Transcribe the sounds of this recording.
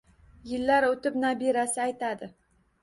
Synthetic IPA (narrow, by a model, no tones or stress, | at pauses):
jɪlːaɾot̪ɪpnabeɾasɪajt̪ʰad̪ɪ